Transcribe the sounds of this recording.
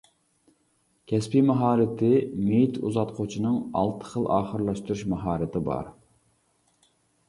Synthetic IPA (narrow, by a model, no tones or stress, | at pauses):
kʲʰɛspimɑɦɑːɾɪt̪ʰɪmejt̪ʰṵzɑt̪qʰot͡ʃʰinɨŋɑ̰lˠt̪ʰə̥χəlˠʔɑːχəɾlˠɑʃt̪uɾuʃmɑɦɑːɾɨt̪ʰɪbɑ̰ɾ